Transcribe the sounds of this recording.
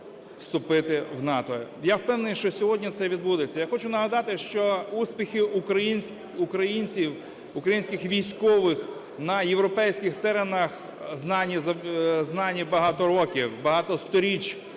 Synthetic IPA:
fst̪ʊpɪt̪ɪwnɑt̪ɔjawpɛwneɪnʃt͡ʃɔsʲɔɦɔdʲnʲit̪sɛʋʲid̪̚bud̪et͡sʲːɐjaxɔt͡ʃʊnɐɦɐd̪ɑt̪ɪʃt͡ʃɔuspʲixɪʔukɾɐjinʲ | ʊkɾɐjinʲt͡sʲiw | ʊkɾɐjinʲsʲkɪxʋʲijsʲkɔʋɪx | nɐjewɾɔpɛjsʲkɪxt̪ɛɾenɐx | znɑnʲːizɐznɑnʲːibɐɦɑt̪ɔɾɔkʲiwbɐɦɑt̪ɔst̪ɔɾʲit͡ʃ

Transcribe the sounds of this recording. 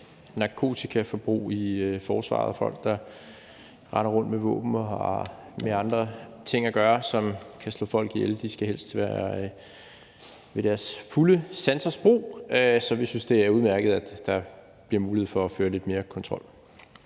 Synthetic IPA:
nɑ̈kʰo̝̰ːt͡sʰikʰæfɒ̽b̥ʁṵːiøfɒːsʋɑ̰̈ð̩ˠɒfɒ̽l̰ɡ̥d̥ɑ̈ | ʁɑ̈nɐʁɔ̽nd̥meʋɔ̰̽ːb̥n̩ɒ̰ | meɑ̈nd̥ʁɐt͡sʰe̝ŋ̰æɡ̥ɶːɐsɒ̽mkʰæslɔ̰ːfɒ̽l̰ɡ̥ield̥isɡ̥æɦel̰sd̥ʰʋæɐ | ʋe̝ɾ̥æɐsfuləsænsɐsb̥ʁṵːøsɒ̽ʋisynsd̥e̝æɐuðˠmæɐɡ̥əð̩ˠæd̥d̥ɑ̈ | b̥liɐmuːlihḛfɒ̽ːføːɐle̝d̥me̝ːɐkʰɒ̽nt͡sʰʁɒ̽l̰

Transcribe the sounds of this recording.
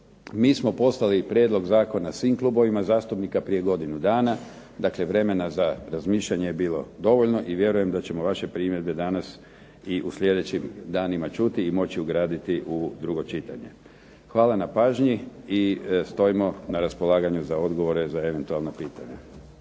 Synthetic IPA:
miːsmo̞po̞stlalipɾjed̪lˠo̞ɡzaːko̞nasʋiːmklˠuːbo̞ʋimazaːst̪upnikapɾije̞ɡo̞d̪inud̪aːna | d̪akleʋɾe̞me̞nazaɾazmiːʃlʎaɲejebiːlo̞̰d̪o̞ʋoʎno̞ʔiʋje̞ɾuje̞md̪at͡ɕe̞mo̞ʋaʃe̞pɾiːmje̞ɾbe̞d̪anas | iʔusʎʲe̞d̪e̞t͡ɕimd̪aːnimat͡ʃut̪iːmo̞t͡ɕiuɡɾaːd̪it̪iʔud̪ɾuɡo̞t͡ʃit̪aɲe̞̰ | xʋaːlanapaːʒɲiist̪o̞imo̞naɾaspo̞lˠaːɡaɲuzao̞d̪ɡo̞ʋo̞ɾe̞zae̞ʋe̞nt̪ualˠnapiːt̪aɲa

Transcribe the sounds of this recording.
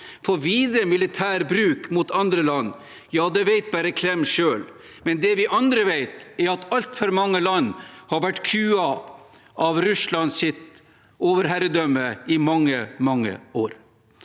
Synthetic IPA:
fɔɾʋiːd̪ɾəmɪlɪt̪ʰæːɾbɾʉːkmut̪ɑnd̪ɾəlɑnː | jɑːd̪ɛʋæɪt̪̚bæɾəkʰlɛmːʂøːl | mɛnd̪ɛʋɪʔɑnd̪ɾəʋæɪt̪ɛɾɑt̪ɑlt̪fɔɾmɑŋːəlɑnːhɑɾʋæʈkʰʉːɑ | ʔɑʋɾʉslɑnsɪt̪ | oːʋəɾɦæɾəd̪œmːəɪmɑŋːəmɑŋːə̰oːɾ

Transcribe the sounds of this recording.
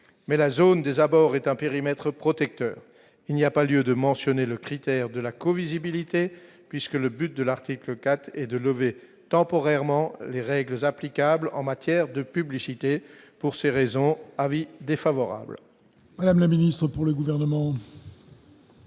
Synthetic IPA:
mɛlazond̪ezabɔʁɛt̪ɛ̃peʁimɛt̪χəpχɔt̪ɛk̚t̪œ̰ːʁ | ilniapaljød̪əmɑ̃sjɔneləkχit̪ɛʁd̪əlakɔvizibilit̪e | pɥiskələbyt̪̚d̪əlaʁt̪ikləkat̪χɛd̪ələve | t̪ɑ̃pɔʁɛʁmɑ̃leʁɛɡləzaplikablɑ̰̃mat̪jɛʁd̪əpyblisit̪e | puʁseʁezɔ̃avid̪efavɔʁa̰bl | mad̪amlaminist̪χəpuʁləɡuvɛʁnəmɑ̃

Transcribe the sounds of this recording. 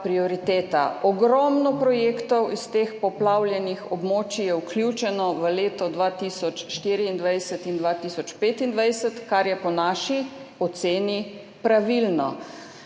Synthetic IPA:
pɾiɔɾit̪eːt̪a̰ɔɡɾɔmnɔpɾɔjeːkt̪ɔwist̪eːxpɔplawljɛnixɔbmoːt͡ʃijɛwklʲut͡ʃɛnɔʋəleːt̪ɔd̪ʋaːt̪iːsɔt͡ʃʃt̪iːɾiːnd̪ʋajsət̪ind̪ʋat̪iːsɔt͡ʃpeːt̪ind̪ʋajsət̪kaɾjɛpɔnaːʃiɔt̪seːni | pɾaʋilnɔ̰

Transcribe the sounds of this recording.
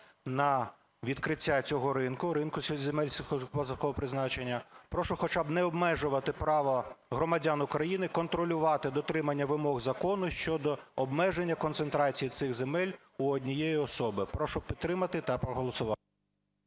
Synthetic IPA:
nɐ | ʋʲid̪kɾɪtʲːat͡sʲɔɦɔɾɪnkʊɾɪnkʊzʲemɛlʲsʲpɔt̪kɔɦɔpɾɪznɑt͡ʃenʲːɐpɾɔʃɔxɔt͡ʃɑbnɛɔbmɛʒʊʋɐt̪ɪpɾɑʋɐɦɾɔmɐdʲanʊkɾɐjinɪkɔnt̪ɾɔlʲʊʋɑt̪ɪd̪ɔt̪ɾɪmɐnʲːɐʋɪmɔɣzɐkɔnʊʃt͡ʃɔd̪ɔɔbmɛʒenʲːɐkɔnt̪sent̪ɾɑt͡sʲijit̪sɪɣzemɛlʲ | uɔdʲnʲijejiɔsɔbɪpɾɔʃɔpʲid̪ɾɪmɐt̪ɪt̪ɐpɾɔɦɔlˠɔsʊʋɑ

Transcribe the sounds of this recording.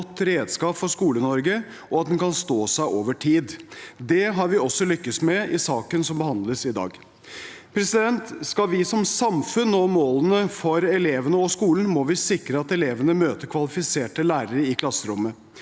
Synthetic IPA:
ɔt̪ːɾeːd̪skɑːpfɔʂkuːlənɔɾɡə | ɔɑt̪̚d̪ɛnkʰɑnst̪oːsæɪʔoːʋəʈʰiːd̪d̪ɛɦɑɾʋɪɔsːɔlʏkːəsmɛɪsɑːkənsɔmbəɦɑnd̪ləsɪd̪ɑ̰ːɡ | pʰɾɛsɪd̪ɛnt̪skɑʋɪsɔmsɑmfʉnɔmoːlənəfɔɾɛleːʋənəɔskuːln̩mɔʋɪsɪkɾəɑt̪ɛleːʋənəmøːt̪əɾkʰʋɑlɪfɪseːʈəlæːɾəɾəɪkʰlɑsːəɾʊmːə

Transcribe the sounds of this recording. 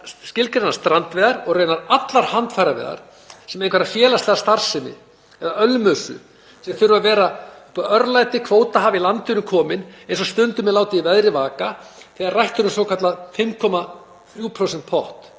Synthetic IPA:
scɪlkɾenaɾst̪ɾant̪vɛːðaɾɔɣreːjnaɾat̪laɾ̥hant̪fajɾavɛ̰ːða̰ɾ̥ | sɛmejnkvɛɾafjɛːlast̪ɛːɣast̪ar̥sɪnːɪ̰ | ɛðaœlmœsʏ̰ | sɛθʏɾʏavɛːɾaœɾlajt̪ɪkʰvoːwt̪aɦavilant̪ɪnʏkʰɔːmɪnejnsɔst̪ʏnt̪ʏmɛðlaːwt̪ɪivɛðɾɪvaːkaθɛɣaɾrajht̪ʏɾʏmsowkʰat̪lafɪmkʰɔma | θuːpʰɾowsɛnt̪pʰɔht̪

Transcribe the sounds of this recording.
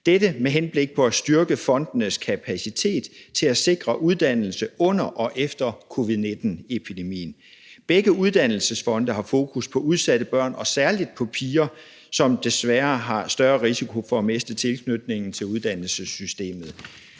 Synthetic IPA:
d̥edəmeɦenb̥le̝ɡ̥̚pʰɒ̽æsd̥yɐɡ̥əfɒ̽nd̥nəskʰæpʰæsit͡sʰe̝̰ːd̥t͡sʰe̝læse̝ɡ̥ʁɐʔuð̞ˠd̥æn̰l̩səɔ̽n̰ɐʔɒ̽ʔefd̥ɐkʰo̝ʋiðˠne̝d̥n̩epʰid̥e̝mḭːn̩ | b̥eɡ̥əuð̞ˠd̥ænl̩səsfɒ̽nd̥əɦɑ̈fo̝̰ːkʰuspʰɒ̽uð̞ˠsæɾ̥əb̥ɶɐ̰nɒ̽sæɐlid̥̚pʰɒ̽pʰiːɐ | sɒ̽md̥e̝sʋæɐɦɑ̈sd̥ɶɐʁisikʰo̝fɒ̽æmesd̥ət͡sʰe̝lkʰnød̥ne̝ŋn̩t͡sʰe̝luðˠd̥æn̰l̩səsysd̥e̝̰ːmð̩ˠ

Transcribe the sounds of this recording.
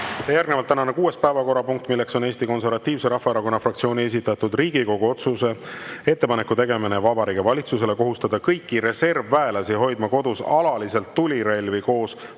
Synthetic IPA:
t̪ejærɡ̥nevɑlt̪ːænɑnekuːe̞spæevɑko̞ɾɑpuŋk̚t̪ˑmilːe̞kso̞ne̞ːst̪iko̞nse̞rvɑt̪ˑːiːvse̞ɾɑhːɑeɾɑko̞nːɑfrɑkt̪sioːnʲie̞s̬it̪ːˑɑt̪ːud̪riːɡ̥iko̞ɡ̥uo̞t̪suse̞e̞t̪ːe̞pɑne̞kːˑut̪e̞ɡe̞minevɑbɑɾiːɡevɑlʲit̪suse̞le̞ko̞ɦust̪ɑd̪ɑkɤjkːiɾe̞se̞rvːæe̞lɑsiɦo̞jd̪̥mɑko̞d̪̥usɑlɑlise̞lt̪ːulʲiɾelʲviko̞ːs

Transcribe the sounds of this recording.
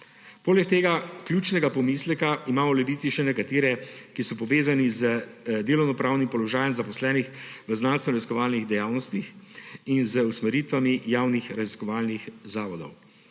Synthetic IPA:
poːlɛkt̪eːɡakljuːt͡ʃnɛɡapɔmiːslɛkaimaːmɔlɛʋiːsiʃɛnɛkat̪eːɾɛkisɔpɔʋeːzanizəd̪eːlɔwnɔpɾaːwnimpɔlɔʒaːjɛmzapɔslɛːnixʋəznanst̪ʋɔɾazi̥skɔʋaːlniɣd̪ɛjaːwnɔst̪ixinzəusmɛɾiːt̪ʋamijaːwnixɾaziskɔʋaːlnixzaːʋɔd̪ɔ̰w

